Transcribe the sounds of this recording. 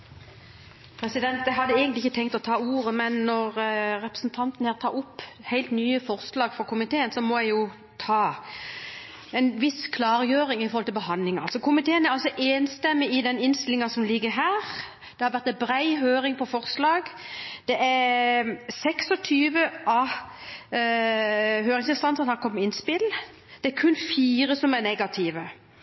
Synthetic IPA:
pʰɾɛsɪd̪ɛnt̪̚d̪ɛɦɑd̪ːəeːɡənlɪçːət̪ʰɛŋkt̪ɔt̪ʰɑːuːʁəmɛnːɔʁɾɛpɾə̥sn̩t̪ʰɑnt̪nhæːʁt̪ʰɑːʁʊpːhæɪlt̪nyːəfɔʁslɑːɡfɔkʰʊmɪt̪ʰeːənsɔmɔjæɪjʊ | t̪ʰɑː | ɛnʋɪskʰlɑːɾjøːɾɪŋɪfɔɾhɔlt̪ʰɪlbəɦɑnlɪŋɑlsɔkʰʊmɪt̪ʰeːənæɾɑlsɔʔeːnst̪ɛmːɪɪd̪ɛnɪnst̪ɪlɪŋɑsɔmlɪɡːəɾɦæːɾ | d̪̥ɛhɑɾʋæɾt̪ɛbɾæɪɦøːɾɪŋpʰɔfɔɾslɑːɡ | d̪̥ɛʔæɾ | sɛksɔt̪ʰyːʋəɑː | ɦøːɾɪŋsɪnst̪ɑnsənhɑɾkʰɔmːɪnspɪl | d̪̥ɛæɾkʰʉnːfiːɾəsɔmænɛɡɑt̪ʰiːʋə

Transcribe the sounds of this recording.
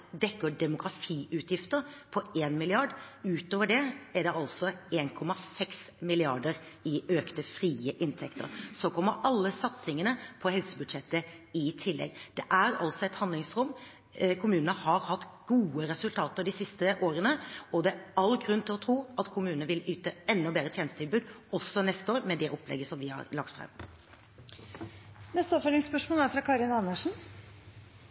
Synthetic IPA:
d̪ɛkːəɖ̪ɛmʊɡɾɑfiːʔʉːt̪ʰjɪft̪əɾpʰɔeːnmɪlɪɑɖʉːt̪oːʋəɖɛɛɖɛʔɑlsɔeːnkʰɔmɑsɛks | mɪlɪɑɖəɾɪʔøːkt̪əfɾiːəʔɪnt̪ʰɛkt̪ʰə̰ɾsɔkʰɔmːəɾɑlːəsɑt̪sɪŋənəpʰɔhɛlsəbʉd̪ʂɛt̪ːəɪt̪ʰɪlːɛ̰ɡd̪̥ɛʔæɾɑ̰lsɔɛt̪hɑnd̪lɪŋsɾʊmː | kʰʊmʉːnənəhɑɾhɑt̪ːɡ̥uːəɾɛsʉlt̪ʰɑːt̪əɾd̪ɪsɪst̪əʔoːɾənəɔd̪ɛɑlːɡɾʉnt̪ʰɪlɔt̪ʰɾuːʔɑt̪kʰʊmʉːnənəʋɪlyːt̪əɛnːɔbeːdɾət̪ʰjeːnəst̪ʰɪlbʉːd̪ɔsːɔnɛst̪əoːɾmɛd̪ɛʔɔplɛ̰ɡːəsɔmʋɪhɑ̰ɾlɑkt̪fɾɑ̰m | nɛst̪əɔpfolɪŋspœʂmolæːɾfɾɑkʰɑɾɪnɑnəʂn̩

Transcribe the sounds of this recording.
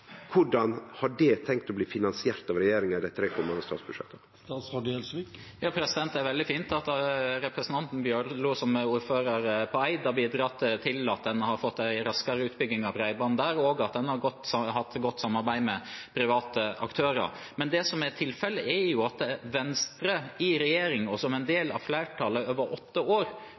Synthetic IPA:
kʰʊɖɑnhɑɖɛt̪ʰɛŋk̚t̪ɔbliːfɪnɑnsɪæɾt̪ɑʋɾɛjeːɾɪŋəd̪ɛɪt̪ʰɾeːkʰɔmːɑnəst̪ɑ̰ːsbʉʂɛ̰t̪ːə | st̪ɑsɑɖɛlsʋi | jɑːpʰɾɛsɪd̪ɛnt̪æɾʋɛld̪ɪfiːnt̪ɑt̪ɾɛpɾəsən̩t̪ʰɑnt̪n̩bjøːɾlʊːsɔmuːɾføːɾɑɾpʰɔæɪd̪ɑbiːd̪ɾɑt̪ːt̪ʰɪlɑt̪̚d̪ɛnhɑɾfɔt̪ːæɪɾɑskɑɾəʉːt̪bʏɡnɪŋɑʋɾæɪbɑnd̪æːɾoːɡɑt̪̚d̪ɛnhɑɾɡɔt̪ːhɑt̪ːɡɔt̪ːsɑmːɑɾbæɪmɛpʰɾɪʋɑːt̪əʔɑ̰kt̪ʰøːɾə̰ɾ | mɛnd̪ɛsɔmæɾt̪ʰɪlfɛlːəɛɾjʊɑt̪ʋɛnst̪ɾəɪɾɛjeːɾɪŋɔsɔmɛnd̪eːlɑ̰ʋflæɪʈʰɑləøːʋəɾʔɔt̪ːəoːɾ

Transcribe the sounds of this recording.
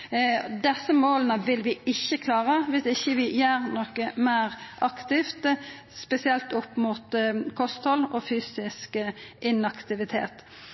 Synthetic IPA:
d̪ɛsːəmoːlənəʋɪlʋɪɪçːəkʰlɑːʁəʋɪsɪçːəʋɪjøːɾnɔːkəmæɪʁʔɑkt̪ɪft̪ | spɛsɪɛlt̪ʊpːmuːt̪kʰɔst̪hɔlːɔfyːsɪskʔɪnɑkt̪ɪʋɪt̪ʰḛːt̪

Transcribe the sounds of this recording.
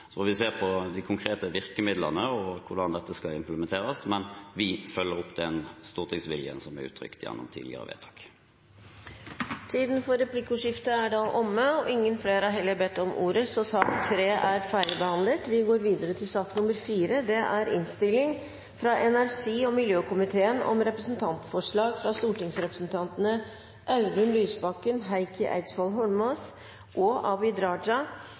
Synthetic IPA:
sɔɔʋɪseːʁpʰɔd̪ɪkʰʊŋkʰʁeːt̪əʋɪʁkəmɪd̪lə̰nəɔkʰʊɖ̪ɑnd̪ɛt̪ːəskɑlɪmpləmɛnt̪ʰeːʁɑsmɛnʋɪfœlːəʁɔpːd̪ɛnst̪uːʁt̪ʰɪŋsʋɪljə̰nsɔmæʁʉ̰ːt̪ʰʁʏ̰kt̪jɛ̰nːɔ̰mt̪ʰḭːd̪lɪ̰ə̰ʁə̰ʋḛːt̪ʰɑ̥ːk | t̪ʰiːd̪nfɔɾɛpʰlɪkːəuʂɪft̪əæɖɑʔɔmːəɔʔɪŋːənfleːɾɑɾɦɛlːəɾbɛt̪ːɔmʔṵːɾəsɔsɑːkt̪ʰɾeːʔæɾfæːɾɪbəhɑnlət̪ʋɪɡoːɾʋiːd̪əɾət̪ʰɪlsɑt̪ːnʊməɾfiːɾəd̪ɛʔæɾɪ̰nst̪ɪlːɪŋ | fɾɑʔɛnæɾʂiːɔmɪljøːkʊmɪt̪ʰeːənɔ̰mɾɛpɾəsn̩t̪ʰɑnt̪fɔʂɭɑːɡfɾɑst̪uːʈɪŋsɾɛpɾə̥sn̩t̪ʰɑnt̪ənə | ʔɑʉd̪ʉnlyːsbɑkːənɦæɪkəʔæ̰ɪt̪sfɔlɦɔlmɑs | ʔɔʔɑbɪd̪ɾɑːɖɑ

